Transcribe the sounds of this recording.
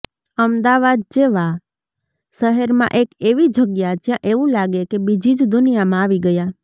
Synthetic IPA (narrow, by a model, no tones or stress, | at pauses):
əmd̪aʋad̪̚d͡ʒeʋa | ʃəɦəɾmã̰ʔekeʋid͡ʒʱəɡjad͡ʒjãʔeʋũlaɡekebid͡ʒid͡ʒd̪ʊnijamãːʋiɡəja